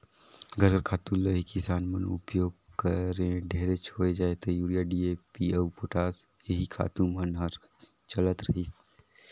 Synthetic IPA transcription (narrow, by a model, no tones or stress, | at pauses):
ɡəɾɦəɾkʰaːt̪ũləɦikɪsaːnmɐnʊ̰pjoːɡ̚kəɾẽɖʱeːɾet͡ʃʰoːed͡ʒaːet̪ojuːɾijaɖiːepiəwpʊʈʰaːs | jeɦikʰa̰ːt̪ũmənɦəɾ | t͡ʃɐlət̪ɾɐɦis